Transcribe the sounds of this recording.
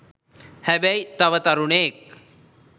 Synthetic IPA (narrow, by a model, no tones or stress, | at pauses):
hɛbajt̪aʋət̪aɾunek̚